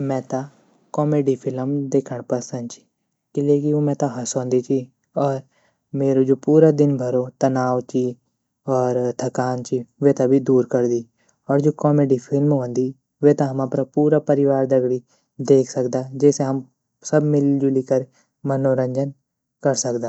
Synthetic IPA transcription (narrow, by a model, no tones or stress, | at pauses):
mɛ̃ːt̪ã | kɔːmeːɖiːpʰɪlmd̪eːkʰəɳ̃pəsə̃nd̪t͡ʃi̥ː | kɪleːkioːmɛ̃ːt̪ãɦəsõːnd̪iːt͡ʃiː | ɔːɾ | meːɾoːd͡ʒoːpuːɾaːd̪ɪnbʱəɾoːt̪ənaːʋt͡ʃiː | ɔːɾt̪ʰəkaːnt͡ʃiːʋeːt̪ãbʱid̪uːɾkəɾd̪iː | ɔːɾd͡ʒoːkɔːmeːɖiːpʰɪlmɦõːnd̪iː | ʋet̪ãɦəmapɾapuːɾaːpəɾɪʋaːɾd̪əɡɽi | d̪eːkʰsəkd̪aːd͡ʒeːseɦəm | səbmɪld͡ʒʊlikəɾ | mənoːɾə̃ɲd͡ʒən | kəɾsəkd̪aː